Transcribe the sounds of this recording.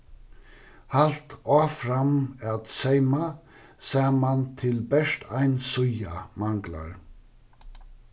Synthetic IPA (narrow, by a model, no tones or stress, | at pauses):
halt̪aːfɾamat̪sejma | saːmant̪ʰɪlbɛʂt̪ʰajnsʊjamaŋkla̰ɹ